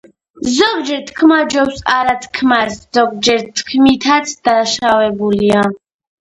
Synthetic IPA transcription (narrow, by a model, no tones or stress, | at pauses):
zɔɡd͡ʒɛɾt̪ʰkʰmad͡ʒɔwsaɾat̪ʰkʰmaszɔɡ̚d͡ʒɛɾt̪ʰkʰmit̪ʰat̪sʰd̪̥aʃavɛbulia